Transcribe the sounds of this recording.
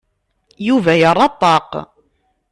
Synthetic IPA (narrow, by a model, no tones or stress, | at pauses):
juvæjərˤːɑt̪ˤːɑq